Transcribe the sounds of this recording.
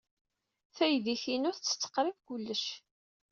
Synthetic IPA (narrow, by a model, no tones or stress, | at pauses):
θæjðiçinʊɾθt͡sːə̥t͡sːə̥qɾivkʊlːəʃ